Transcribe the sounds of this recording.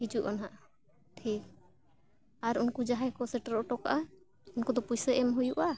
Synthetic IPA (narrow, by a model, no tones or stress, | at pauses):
ɦid͡ʒuʔanɦaʔ | ʈʰik | aɾunkud͡ʒaɦajkɔsɛʈaɾɔɔʈɔkaʔa | unkɔd̪ɔpujsɛʔɛmɦujuʔa